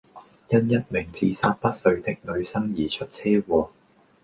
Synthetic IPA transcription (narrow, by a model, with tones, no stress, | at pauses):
jɐ˥njɐ˥t̚mɪ˨˩ŋt͡siː˨sa̰ː˧t̚pɐ˥t̚sɵ˨˧ɥt̪ɪ˥k̚lɵ˨˧ɥsɐ˥ŋjiː˨˩t͡ʃʰɵ˥t̚t͡sʰɛː˥wɔː˨˧